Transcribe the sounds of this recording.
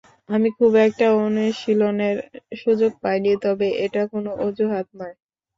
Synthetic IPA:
amikʰubɛk̚ʈaoneʃiloneɾʃud͡ʑoɡ̚pajnit̪ɔbeʔeʈakonoʔod͡ʑoɦat̪̚nɔe

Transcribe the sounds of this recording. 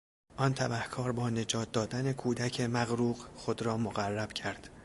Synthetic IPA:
ʔɒnt̪ʰæbæhkʰɒːɾbɒːne̞d͡ʒɒːt̪̚d̪ɒːd̪ænekʰuːd̪æcʰemæɣɾuːɣxo̞d̪ɾɒːmoɣærːæb̥cʰæɾd̪̥

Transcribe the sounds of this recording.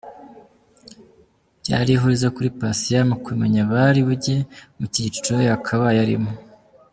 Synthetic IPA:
ɟ̥a̰ːɾiɦuɾizekuɾipasijamukwimeɲaβaɾiβuɟe̞mucit͡ʃu̥t͡ʃojakʰaβajaɾḭmo

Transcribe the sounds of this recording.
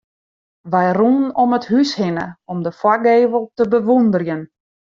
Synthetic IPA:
ʋɛjrunɔməthyshɪnə̰ɔmdəfwaɡeːvəlˠtəbəʋundərjən

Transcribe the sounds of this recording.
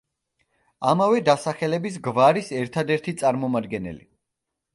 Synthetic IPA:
amavɛd̪asaχɛlɛbis̬ɡvaɾisɛɾt̪ʰad̪ɛɾt̪ʰit̪sʼaɾmɔmad̪ɡɛnɛ̰lḭ

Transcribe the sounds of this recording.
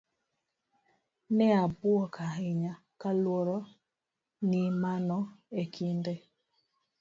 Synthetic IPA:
nɛabwɔkʰaɦiɲa | kalwɔɾɔ | nimanɔekʰindɛ

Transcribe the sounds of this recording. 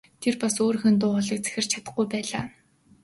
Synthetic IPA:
t̪ʰerpasoːɾxɘ̆nt̪̬ʊːɔɮə̆k̚t͡sæ̥xʲɪ̆r̥t͡ɕʰḁt̪ə̆χɡujpæːɮaː

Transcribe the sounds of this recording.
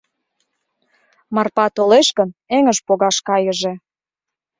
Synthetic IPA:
mɑrpɑt̪oleʃkə̆neŋəʃpoɣɑʃkɑjə̆ʒĕ

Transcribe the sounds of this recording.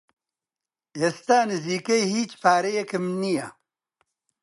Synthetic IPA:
eːst̪aːnɨziːkejhiːt͡ʃpʰaːɾejekɨmnija

